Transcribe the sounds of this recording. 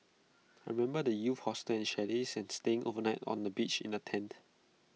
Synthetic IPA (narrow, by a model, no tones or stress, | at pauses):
ajɹimɛ̃mbədəjufhɔstəɛ̃nʃɛdisɛ̃nsteɪ̃ŋʔo̰vənaɪtɔ̰̃ndəbit͡ʃɪ̰̃nətʰɛ̃nt